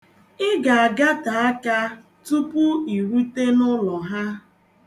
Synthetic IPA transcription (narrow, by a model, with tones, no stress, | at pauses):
ɪ˦ɡa˨a˨ɡa˦ta˨a˦ka˦ | tu˦pʊ˦i˨ɾu˦te˦nʊ˦lɔ˨ɦa˦